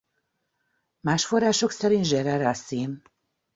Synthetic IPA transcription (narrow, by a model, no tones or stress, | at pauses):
maːʃfo̞rːaːʃo̞ksɛɾint̪ʒɛɾɛɾasim